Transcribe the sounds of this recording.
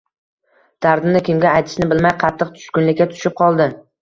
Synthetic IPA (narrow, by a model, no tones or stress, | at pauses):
d̪̥aɾd̪ɪnɪkʲɪmɡʲaːjt̪ʰɪ̥ʃnɪbɪlmajqʰɑt̪ʰːɨqt̪ʰʊ̥ʃkʲʊnlɪkʲːat̪ʰʊ̥ʃɪp̚qʰɒlˠd̪ɪ